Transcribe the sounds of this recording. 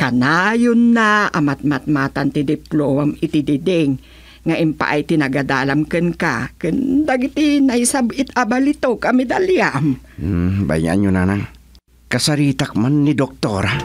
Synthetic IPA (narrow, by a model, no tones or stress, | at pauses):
kanajʊnːaʔamat̪̚mat̪̚mat̪ant̪id̪ɪplomamɪt̪ɪd̪ɪd̪ɛŋː | aʔɪmpa̰ʔajt̪ɪnaɡad̪aːlamkɨnka̰kɨnd̪aɡit̪inaisabɪt̪abalit̪okamɛd̪aljam̩ | ba̰ja̰nɲonanaŋ | kasaɾiːt̪ak̚manːid̪ok̚t̪oɾa